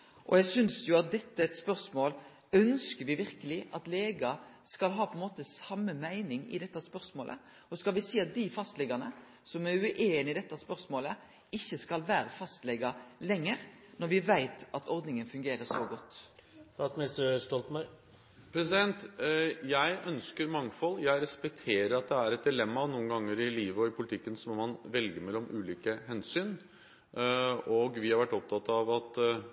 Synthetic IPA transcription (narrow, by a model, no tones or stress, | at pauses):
ʔɔ̰jæɡsʏnsjʊɑt̪̚d̪ɛt̪ːəɛt̪spœʁsmoːl | œnskəɾʋɪʋɪɾkəlɪʔɑt̪leːɡɑ | skɑlɦɑːpʰɔɛnmoːt̪əsɑmːəmæɪnɪŋɪ̰d̪ɛt̪ːɑspœɾsmoːlʔə̰ | ɔskɑlʋɪsiːɑt̪̚d̪ɪfɑst̪lɛɡɑnə̰ | sɔmæɾʉʔeːnɪd̪ɛt̪ːɑspœɾsmoːlə | ɪçːəskɑlʋæːɾəfɑst̪lɛɡɑlɛŋːəɾnɔɾʋɪʋæɪt̪ɑt̪ʰɔɾd̪nɪŋənfʉŋɡeːɾəsoɡɔt̪ːɑt̪mɪnɪst̪əst̪ɔlt̪mɑ | pʰɾɛsɪd̪ɛnt̪jæɪʔœnskəɾmɑŋfɔlːjæɪɾɛspɛk̚t̪ʰeːɾəɾɑt̪̚d̪ɛæɾɛt̪̚d̪ɪlɛmːɑnuːənɡɑŋːəɾɪliːʋəɔɪpʰʊlɪt̪ʰɪkːənsɔmɔmɑnʋɛlɡəmɛlːɔmʔʉːliːkəhɛnsyːn | ɔɡʋɪhɑɾʋæʈːɔp̚t̪ʰɑt̪ːɑʋɑt̪